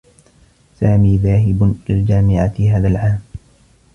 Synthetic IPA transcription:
saːmiːðaːɦɪblɪld͡ʒaːmɪʕaɦaːðalʕaːm

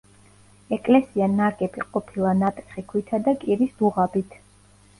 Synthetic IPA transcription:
ɛkʼlɛsianaɾɡɛbiqʼɔpʰilˠanat̪ʼɛχikʰwit̪ʰad̪akʼiɾisd̪uʁabit̪ʰ

